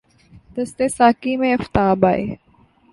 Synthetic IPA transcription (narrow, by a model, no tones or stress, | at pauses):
d̪̥əst̪eːsaːkiːmẽɐft̪aːbaːḛː